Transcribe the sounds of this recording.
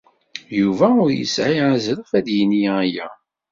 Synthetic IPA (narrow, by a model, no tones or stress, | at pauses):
juvæʊɾjə̰sʕiʕazɾəfæðjənijæjæ̰